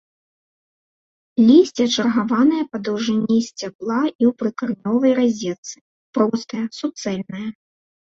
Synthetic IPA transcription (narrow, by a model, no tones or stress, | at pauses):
lʲisʲt͡sʲɛt͡ʂɐrɣavanɐjɐpɐd̪ɐwʐɨnʲːisʲt͡sʲaplˠaʔiwpɾɨkɐrnʲɔvɐjrazʲɛt̪sɨ̥ | pɾɔst̪ɐjɐsup̚t̪sɛlʲnɐjɐ